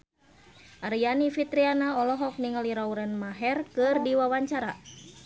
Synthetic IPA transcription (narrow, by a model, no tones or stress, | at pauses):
ʔaɾijanifit̪ɾianaɔlɔɦɔk̚niŋəliɾauɾɛnmaɦɛrkɨrdiwawaɲt͡ʃaɾa